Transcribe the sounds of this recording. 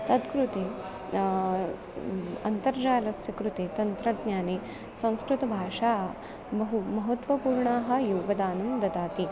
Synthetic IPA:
t̪ɐt̪kɾut̪eː | ɐnt̪ɐɾd͡ʒaːlɐsjɐkɾut̪eːt̪ɐnt̪ɾɐɖɲaːneː | sɐ̃w̃skɾut̪ɐbʱaːʂaː | bɐɦumɐɦɐt̪ʋɐpuːɾɳaːɦɐ̆joːɡɐd̪aːnɐmd̪ɐd̪aːt̪i

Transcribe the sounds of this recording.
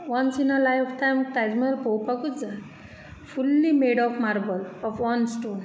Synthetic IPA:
ʋʌnsinəlajfʈãjmt̪ajzməlpowpakud͡zə | fulːimeɖɔfmaɾbəlɔfɔnsʈoːn

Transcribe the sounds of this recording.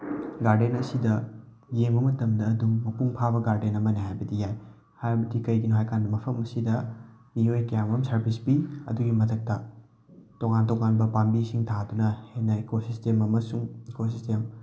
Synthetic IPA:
ɡaɾdenɐsidɐ | ɡemɐmɐtɐmdɐːdumːɐpuŋpʰabɐɡaɾdenɐmɐniɦajbɐdijaj | hajbɐdikɐjɡinoɦajkandɐmɐpʰɐmɐsidɐ | miojkɐjamɐmsɐɾpʰisbiɐ̰duɡimɐtʰɐk̚tɐ | toŋantoŋanbɐpambisiŋtʰadunɐhenɐekosistemɐmɐsuŋekosistem

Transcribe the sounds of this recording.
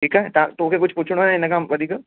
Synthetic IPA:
ʈʰiːkɛt̪at̪oːkekʊt͡ʃʰpuːt͡ʃʰɽ̃aɛ̃ɪnekãmʋɐd̪ʱiːka

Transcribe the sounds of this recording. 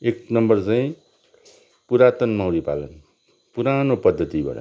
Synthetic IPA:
eknʌmbʌrt͡saĩ | puɾat̪ʌnmʌwɾipa̰lʌ̰n | puɾanopʌd̪ʱːʌt̪ibʱʌ̰ɽʌ̰

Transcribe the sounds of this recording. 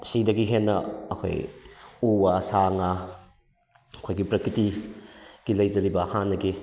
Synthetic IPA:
sidɐɡiɦenːɐːkʰo̰juwasaŋa | kʰojɡipɾɐkʰɾiti | ɡ̥ilɐjzɐɾibɐhanːɐɡi

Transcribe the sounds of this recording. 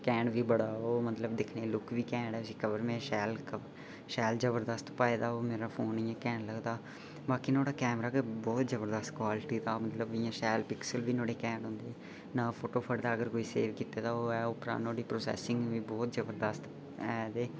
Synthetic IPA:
kɛ̃ːɳɖʋiːbəɽaːoːmət̪ləb̚d̪ɪkʰneːlʊkʰʋiːkɛ̃ːɳɖɛːʊsiːkəbəɾmẽːʃɛːlkə | ʃɛːld͡ʒəbəɾd̪əst̪paːeːd̪aːoːmeːɾaːpʰoːnijãːkɛ̃ːɳləɡd̪aː | baːkiːnoːɽaːkɛːmɾaːkebɔːt̪d͡ʒəbəɾd̪əst̪kʋaːlɪʈiːt̪aːmət̪ləbɪjãːʃɛːlpɪksəlʋiːnoːɽeːkɛ̃ːɳɖɦõːnd̪eː | naːpʰoːʈoːpʰəɽd̪aːəɡəɾkoːiːsḛːʋkiːt̪eːd̪aːoːɛːʊpɾã̰ːnoːɽiːpɾoːsɛ̰ːsɪ̃ŋɡʋiːbɔːt̪d͡ʒəbəɾd̪əst̪ | ɛːd̪eː

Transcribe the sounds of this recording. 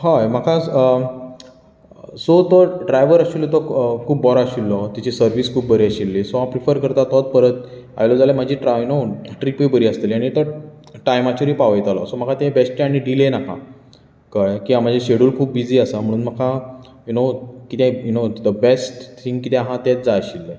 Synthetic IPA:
ɦajm̤akʰaə | sot̪ɔɖɾajʋəɾaɕilːet̪ɔkʰuːpbɔɾaəɕilːɔt̪at͡ɕisəɾʋiskʰuːp̚bəɾeəɕilːesoɦãpɾifəɾkəɾt̪at̪ɔt̪̚pəɾət̪̚ | a̰jlod͡zalem̤ad͡ʑʱiʈɾajunoʈɾipəjbəɾiəst̪eliaɽ̃it̪ə | ʈajmat͡ɕoɾiːpaʋəjt̪alɔ̰sɔm̤əkʰat̪ẽbɛsʈʈɛ̃aɽ̃iɖilenakã̰ | kajkiɦãm̤ad͡ʑʱaɕeɽuːlkʰuːp̚bid͡ziːasam̤əɽ̃uːnməkʰa | junokit̪ẽjunod̪əbesʈt̪ʰĩŋɡkːit̪ɛ̃ãɦãt̪et͡sd͡zaɕilːe

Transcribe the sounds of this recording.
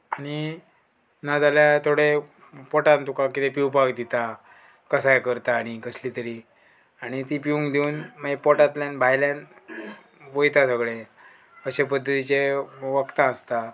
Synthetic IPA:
aɽ̃i | nad͡zaljat̪ʰoɽepɔʈãnt̪ukakit̪epiupakd̪it̪a | kəsajkəɾt̪aːɽ̃ikəslit̪əɾi | aɽ̃it̪ipiũŋkd̪iuːnmaepɔʈat̪ljanbʱajljan | ʋojt̪asəɡɭe | əɕepəd̪ʱːət̪it͡ɕeʋəkt̪ãəst̪a

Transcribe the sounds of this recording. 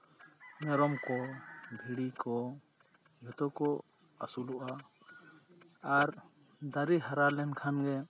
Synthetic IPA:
mɛɾɔmkɔbʱiɽikɔ | ɦɔt̪ɔkɔ | a̰suluʔa | aɾ | d̪aɾiɦaɾalɛnkʰanɡɛ

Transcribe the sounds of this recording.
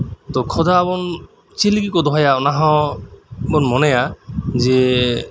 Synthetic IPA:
t̪ɔkʰɔd̪ʱaːbɔn | t͡ʃilikikod̪ɔɦajaɔnaɦɔ | bɔnmɔnejaze

